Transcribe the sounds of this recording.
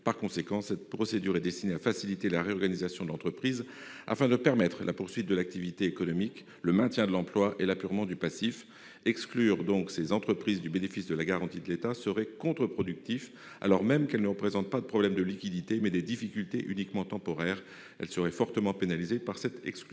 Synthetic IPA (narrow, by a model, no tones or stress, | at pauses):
paʁkɔ̃sekɑ̃sɛt̪̚pχɔsed̪yʁɛd̪ɛst̪ineafasilit̪elaʁeɔʁɡanizasjɔ̃d̪əlɑ̃t̪χəpχiz | a̰fɛ̃d̪əpɛʁmɛt̪χlʔapuʁsɥit̪̚d̪əlak̚t̪ivit̪eːkɔnɔmik | ləmɛ̃t̪jɛ̃d̪əlɑ̃plwaʔelapyʁmɑ̃d̪ypasif | ɛksklyʁd̪ɔ̃ksezɑ̃t̪χəpχizd̪ybenefisd̪əlaɡaʁɑ̃t̪id̪əlet̪asəʁɛkɔ̃t̪χəpχɔd̪yk̚t̪if | a̰lɔʁmɛmkɛlnəʁəpχezɑ̃t̪̚pad̪əpχɔblɛmd̪əlikʲid̪it̪emɛd̪ɛd̪ifikʲylt̪eʔynikmɑ̃t̪ɑ̃pɔʁɛːʁ | ɛ̰lsəʁɛfɔʁt̪əmɑ̃penalizepaʁsɛt̪ɛksk